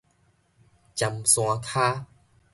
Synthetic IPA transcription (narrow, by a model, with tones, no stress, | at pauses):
t͡ɕa˧msw̃a˧t̪ʰaː˦